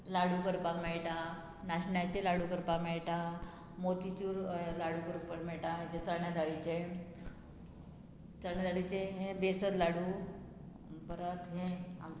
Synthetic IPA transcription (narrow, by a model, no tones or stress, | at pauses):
laɽuːkəɾpakmɛɭʈa | naɕɳjat͡ɕelaɽukəɾpakmejʈa | mot̪it͡ɕuːɾlaɽuːkəɾpəɾmeʈat͡ɕet͡s̪əɳjad̪ʱaɽit͡se | t͡s̪əɳ̃jad̪ʱaɽit͡seɦẽbesət̪laɽu | bəɾət̪ɦẽa̰m